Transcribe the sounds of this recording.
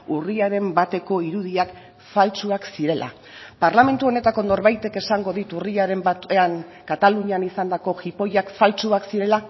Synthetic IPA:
uriaɾe̞mbat̪e̞ko̞iɾuðiak | falt͡suaksiɾe̞lʔa̰ | paɾlame̞nt̪uo̞ne̞t̪ako̞no̞ɾβajt̪e̞ke̞saŋɡo̞ðit̪uriaɾe̞mbaaŋkat̪aluɲanisand̪ako̞xipo̞jakfalt͡suaksiɾe̞la

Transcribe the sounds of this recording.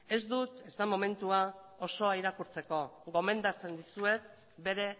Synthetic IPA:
e̞zd̪ut̪e̞zt̪amo̞me̞nt̪uao̞so̞aiɾakuɾt͡se̞ko̞ɣo̞me̞nd̪at͡se̞nd̪isue̞t̪ | be̞ɾe̞

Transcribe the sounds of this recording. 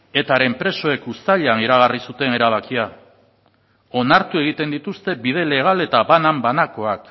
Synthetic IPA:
e̞t̪aɾe̞mpɾe̞so̞e̞kust̪aʎeaniɾaɣ̞arisut̪e̞ne̞ɾaβ̞akia | o̞naɾt̪ue̞ɣ̞it̪e̞nd̪it̪ust̪e̞bið̞e̞le̞ɣ̞ale̞t̪aβanambanako̞ak

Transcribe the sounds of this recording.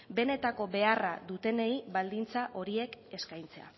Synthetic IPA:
be̞ne̞t̪ako̞be̞arad̪ut̪e̞ne̞iβald̪int͡saʔo̞ɾie̞ke̞skajnt͡se̞a̰

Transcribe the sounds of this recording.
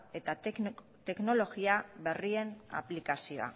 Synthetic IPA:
e̞t̪a | t̪e̞kno̞lo̞ɣiaβe̞rie̞na̰plikasio̞a̰

